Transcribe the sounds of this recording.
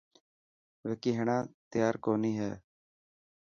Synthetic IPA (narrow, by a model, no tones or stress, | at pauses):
ʋeːkiːɦəɳãːt̪ɪjaːɾkoːniːɦɛ̰ː